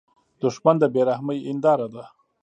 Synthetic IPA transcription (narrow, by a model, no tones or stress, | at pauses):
d̪̥ʊʂmand̪əbeɾahməjɪnd̪ɑɾad̪a